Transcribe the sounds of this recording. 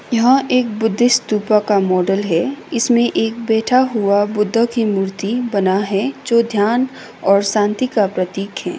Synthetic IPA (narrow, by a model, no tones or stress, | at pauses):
jɐɦãʔeːk̚bʊd̪ʱːɪst̪uːpakamɔːɖəlɦɛɪsmẽʔeːk̚bɛːʈʰaɦuabʊd̪ʱːəkimuːɾt̪ibɐnaɦɛd͡ʒoːd̪ʱjaːn | ɔːɾsãːnt̪ikapɾɐt̪iːkɦɛː